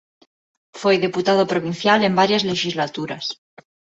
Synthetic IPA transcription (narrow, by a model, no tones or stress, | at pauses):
fwejðeput̪að̞opɾo̞βin̟θjale̞mbaɾjazle̞ʃizlat̪uɾas